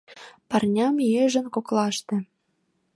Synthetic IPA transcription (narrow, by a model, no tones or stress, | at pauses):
pɑrnʲɑmjeʒə̆nkoklɑʃt̪ĕ